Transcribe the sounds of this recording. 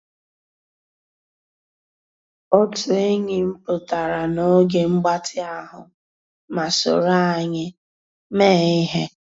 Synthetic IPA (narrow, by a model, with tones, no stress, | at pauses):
ɔ˦tʊ˨˦e˦ŋɪ˨m̩˦pʊ˨ta˨ɾa˨no˦ɡe˨ŋ͡m̩˦ɡ͡ba˦tʰɪ˦a˦ɦʊ˨ | ma˨sʊ̰˨ɾa˦a˨ɲɪ˦ | meː˦˨ɪ˦ɦe˦